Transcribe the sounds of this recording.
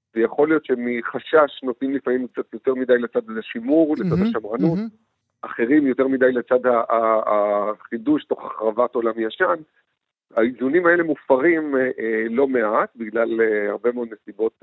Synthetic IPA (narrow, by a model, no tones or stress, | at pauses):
vejaχo̞lijo̞tʃemiχaʃaʃnot̪nimlifamimk̚t͡sat̪jo̞t̪e̞ʁmidajlet͡sad̪aeʃimuʁlet͡sad̪haʃamʁanut̪ | aχe̞ʁimjo̞t̪eʁmid̪ajlet͡sad̪ha | χiduʃto̞χaχʁavato̞lamjaʃan | aizunimae̞le̞mufaʁimlo̞me̞at̪biɡlalhaʁbemeod̪nesibo̞t̪̚